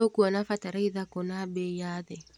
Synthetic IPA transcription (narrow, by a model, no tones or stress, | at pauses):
okuanafataɾaiðakɔnabejaðɛ